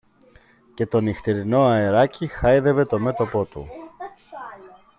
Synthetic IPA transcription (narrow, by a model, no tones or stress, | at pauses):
ce̞t̪o̞nixt̪iɾino̞ɐeɾɐcixɐjðe̞ve̞t̪o̞me̞t̪o̞po̞t̪ṵ